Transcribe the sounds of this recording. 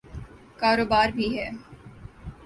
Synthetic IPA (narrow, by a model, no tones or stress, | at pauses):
kaːɾoːbaːɾbʱiɦɛː